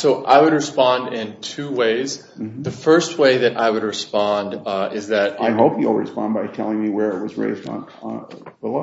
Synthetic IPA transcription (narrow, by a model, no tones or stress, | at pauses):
soʊʔaɪwɨd̚ɹɨspɑ̃ndɪ̃ntʰʉweɪz | ðɨfɜ˞st̚weɪðɨɾʔaɪwɨd̚ɹɨspɑ̃ndɪzðɨɾaɪɦoʊpjɨl̩ˠɹɨspɑ̰̃nbaɪtʰɛlˠɪ̃ŋmiwə˞ɪt̚wʌzɹḛɪzd̰n | bəlˠo